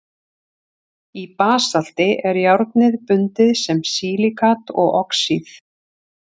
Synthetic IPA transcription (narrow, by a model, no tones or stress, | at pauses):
ipaːsal̥t̪ɪʔɛɾjawɾt̪nɪðpʏnt̪ɪðsɛmsiːlikʰat̪ɔ̰ɣɔksiθ